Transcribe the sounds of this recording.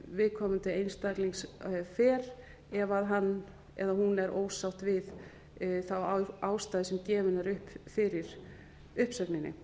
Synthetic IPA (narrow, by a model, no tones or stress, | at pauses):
vɪðkʰɔːmʏnt̪ɪejnst̪akliŋsfɛːɾ | ɛvaðɦanː | ɛ̰ðahɦunɛɾʔo̰ːwsawht̪vɪð | θawaːwst̪aːðɪsɛmcɛːvʏnɛɾʏhpfɪɾɪɾ̥ | ʏhpsɛknɪnːɪ̰